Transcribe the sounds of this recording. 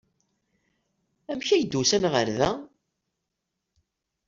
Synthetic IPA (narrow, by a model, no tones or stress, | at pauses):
æmçæjəd̪ːusænʁəɾðæ